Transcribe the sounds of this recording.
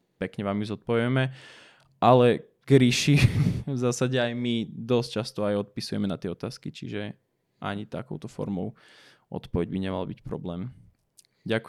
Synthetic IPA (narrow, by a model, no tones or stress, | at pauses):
pɛkɲɛʋaːmjuzɔt̪̚pɔʋɪɛmɛ | ʔalɛ | ɡ̥ɾiʃivzaːsaɟɛajmid̪ɔst͡ʃast̪ɔajɔt̪̚pisujɛ̰mɛnat̪ɪɛɔt̪aːskit͡ʃḭʒɛ | ʔa̰ɲit̪akɔʊt̪ɔfɔ̰ɾmɔʊ | ʔɔ̰t̪pɔʋɛɟbiɲɛma̰lbicpɾɔ̰blɛːm | ɟak